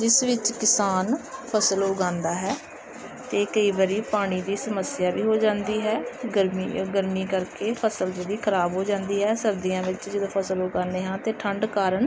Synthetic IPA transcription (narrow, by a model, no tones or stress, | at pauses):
d͡ʒɪsʋɪt͡ʃkɪsaːnpʰəsəlʊɡãːnd̪aːɦɛː | t̪eːkəiːbəɾiːpaːɽ̃iːd̪iːsəməsɪjaːbiːɦoːd͡ʒãːnd̪iːɦɛːɡəɾmiɡəɾmiːkəɾkeːpʰəsəld͡ʒəd̪iːkʰəɾaːbɦoːd͡ʒãːnd̪iːɦɛːsəɾd̪ijãːʋɪt͡ʃd͡ʒɪd̪õːpʰəsəlʊɡãːneːɦãːt̪eːʈʰəɳɖkaːɾəɳ